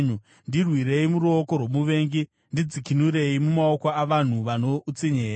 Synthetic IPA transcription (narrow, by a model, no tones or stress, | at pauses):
ɲu | ndirwiɾe̞imuɾuoko̞rwo̞muʋe̞ːŋɡi | ndid͡zikinuɾe̞imumaokaaʋan̤uʋanout͡siɲeːɾa